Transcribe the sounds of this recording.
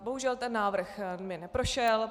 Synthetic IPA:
boɦuʒɛlt̪ɛnːaːvr̩xmɪnɛpɾo̞ʃɛl

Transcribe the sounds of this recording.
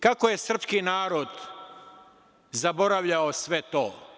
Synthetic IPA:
kakoje̞sr̩pskinaːɾo̞d̪ | zabo̞ɾaʋʎaosʋet̪oː

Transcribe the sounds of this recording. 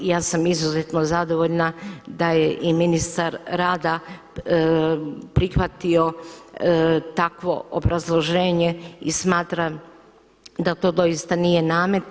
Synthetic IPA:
jaːsamizuzet̪no̞zad̪o̞ʋoʎnad̪ajeʔiminist̪aɾɾaːd̪a | pɾixʋat̪io̞ | t̪akʋo̞̰ʔobɾazlˠo̞ʒe̞ːɲe̞ismaːt̪ɾa | d̪at̪o̞ːd̪o̞jist̪anije̞naːmet̪

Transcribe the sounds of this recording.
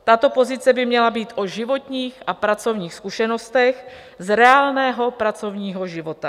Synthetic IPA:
t̪at̪o̞po̞zɪt͡sɛbɪmɲɛlabiːt̪ʔoʒɪvo̞t̪ɲiːxʔapɾat͡so̞vɲiːxskuʃɛno̞st̪ɛx | zɾɛaːlnɛːɦo̞pɾat͡so̞vɲiːɦo̞ʒɪvo̞t̪a

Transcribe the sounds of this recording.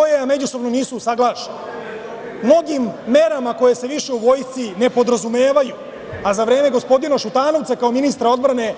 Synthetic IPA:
ojejame̞d͡ʑuso̞bnoniːsusaɡlˠaːʃen | mno̞ɡimːe̞ɾamako̞je̞se̞ʋiʃe̞uʋo̞ːjst̪sine̞po̞d̪ɾazume̞ːʋaju | azaʋɾe̞ːme̞ɡo̞spo̞d̪inoʃut̪aːno̞ʋt̪sakao̞minist̪ɾao̞d̪bɾane̞

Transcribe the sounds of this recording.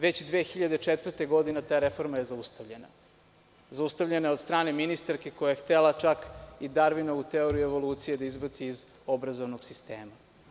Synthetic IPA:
ʋe̞t͡ɕd̪ʋeːxiʎad̪et͡ʂet̪ʋr̩t̪eɡo̞d̪inet̪aːɾe̞fo̞ɾmaje̞zaust̪aʋʎena̰ | zaust̪avʎenaeod̪st̪ɾaːne̞minist̪aɾkeko̞jajext̪elat͡ʃakid̪aɾʋinaut̪eoɾieʋo̞luːt̪sijed̪aizbat̪siːz | o̞bɾazoʋnoɡsist̪e̞̰ːma

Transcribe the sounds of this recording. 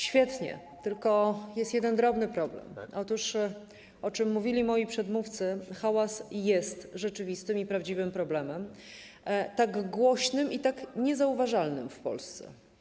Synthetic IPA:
ɕfʲjɛt̪ɲɛ̰ | t̪ɘlkɔjɛst̪jɛd̪ɛnd̪ɾɔbnɘpɾɔblɛ̰mɔt̪uʂ | ʔɔt͡ʂɘmːuvʲilʲimɔjipʂɛd̪muft̪sɘxawasjɛst̪ʐɛt͡ʂɘvʲist̪ɘmipɾavd͡ʑivɘmpɾɔblɛmɛm | t̪aɡɡwɔɕnɘmʔit̪akɲɛzauvaʐalnɘ̰mfpɔ̰lst̪sɛ̰

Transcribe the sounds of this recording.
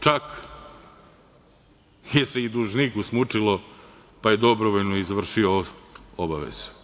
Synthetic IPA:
t͡ʃak | jese̞id̪uʒnikusmut͡ʂilo | pajed̪o̞bɾoʋoʎnoizʋr̩ʃioobaʋḛz̥u̥

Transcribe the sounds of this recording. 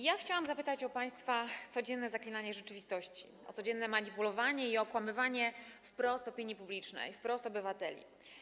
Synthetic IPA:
jaxt͡ɕawamzapɘt̪at͡ɕɔpaj̃st̪fat̪sɔd͡ʑɛnːɛzaklʲinaɲɛʐɛt͡ʂɘvʲist̪ɔɕt͡ɕi̥̰ | ɔ̰t̪sɔd͡ʑɛnːɛmaɲipulɔvaɲɛiɔkwamɘvaɲɛfpɾɔst̪ɔpʲiɲːipublʲit͡ʂnɛ̰jfpɾɔst̪ɔbɘvat̪ɛlʲḭ

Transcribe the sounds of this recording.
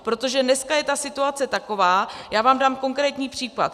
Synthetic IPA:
pɾo̞t̪o̞ʒɛnɛskajɛt̪asɪt̪uat͡sɛt̪ako̞vaːjaːvaːmdaːmko̞ŋkɾɛːt̪ɲiːpr̝̥iːkla̰t̪

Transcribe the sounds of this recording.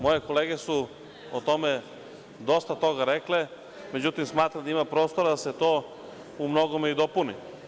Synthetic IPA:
mo̞je̞ko̞leːɡe̞su | ot̪o̞me | d̪o̞st̪at̪o̞ɡaɾekle | me̞d͡ʑut̪imsmaːt̪ɾad̪aimapɾoːst̪o̞ɾad̪aset̪o̞ː | umno̞ɡomeid̪o̞puni

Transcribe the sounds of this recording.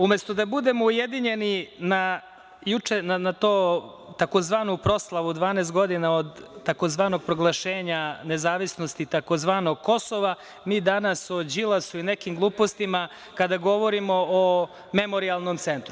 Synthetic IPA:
umest̪o̞d̪abud̪e̞mo̞ujed̪iɲenina | jut͡ʃenanat̪oː | t̪akozʋaːnupɾo̞slˠaʋud̪ʋaːnest̪̚ɡo̞d̪inaod̪ːako̞zʋaːno̞ɡ̚pɾo̞ɡlˠaʃeːɲanezaːʋisno̞st̪it̪akozʋaːnoɡ̚ko̞so̞ʋa | miːd̪anasod͡ʑilˠasuinekimɡlˠuːpost̪ima | kad̪aɡo̞ʋo̞ɾimoː | me̞mo̞ɾialˠnomt̪se̞nt̪ɾu

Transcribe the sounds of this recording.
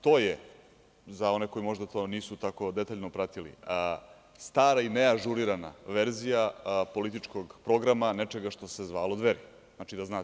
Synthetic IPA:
t̪o̞ːje | zao̞neko̞jimo̞ʒd̪at̪oːniːsut̪ako̞d̪et̪aʎnopɾat̪ilḭə | st̪aːɾaimejaʒuɾiɾana̰ʋeɾzijapo̞lit̪it͡ʂkoɡpɾo̞ɡɾamanet͡ʃeɡaʃt̪o̞sezʋaːlˠo̞d̪ʋeɾi | znat͡ʃid̪aznaː

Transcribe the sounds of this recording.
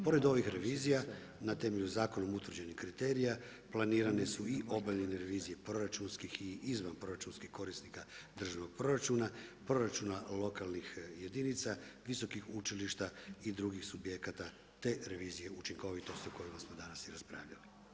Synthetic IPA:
po̞ɾe̞d̪o̞ʋixɾe̞ʋiːzija | nat̪e̞meʎuzaːko̞nomut̪ʋr̩d͡ʑe̞nixkɾit̪e̞ːɾija | plˠaniːɾanesuiʔo̞baeneɾeʋiːzije̞pɾo̞ɾat͡ʃunskixiizʋanpɾo̞ɾat͡ʃunskixko̞ɾisnikad̪r̩ʒano̞ɡ̚pɾo̞ɾat͡ʃunapɾo̞ɾat͡ʃunalˠo̞kalˠnixje̞d̪init̪saʋiso̞kixut͡ʃiliʃt̪aid̪ɾuːɡixsubje̞kat̪a | t̪e̞ɾe̞ʋiːzije̞ut͡ʃiŋko̞ʋit̪o̞st̪iuko̞jimasmod̪anasjiɾaspɾa̰ːʋʎali

